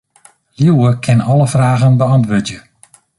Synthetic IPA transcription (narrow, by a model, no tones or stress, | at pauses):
ljuwəkʰɪnɔləfraːɣənbəɑntʋøːdjə